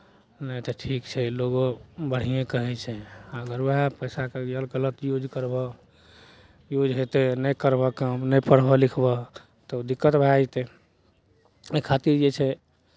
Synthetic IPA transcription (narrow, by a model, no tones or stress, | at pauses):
nət̪ɔʈʰikt͡ʃʰɛloɡobəɽ̤ijẽkəɦɛt͡ʃʰɛəɡəɾʋeɦapəjsakejəlɡələt̪jud͡ʒkəɾbɔ | jud͡ʒʱɦet̪enəjkəɾbəkəmnəjpəɽ̤bɔlikʰbɔ | t̪ɔud̪ikːət̪bʱajt̪e | ekʰat̪iɾd͡ʒet͡ʃʰɛ